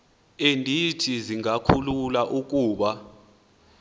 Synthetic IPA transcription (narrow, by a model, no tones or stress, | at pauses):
endʱitʰiziŋakʰululaʔuk̬uːɓa